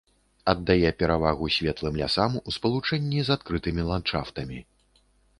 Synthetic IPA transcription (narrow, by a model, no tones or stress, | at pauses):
ɐd̪ːajɛpʲɛɾavaɣusʲvʲɛt̪lˠɨmlʲa̰samuspɐlˠut͡ʂɛnʲːizat̪̚kɾɨt̪ɨmʲilˠant̪t͡ʂaft̪ɐmʲi